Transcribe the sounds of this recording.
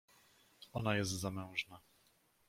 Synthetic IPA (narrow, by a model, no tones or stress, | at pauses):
ɔnajɛs̬t̪zamɛ̃w̃ʐna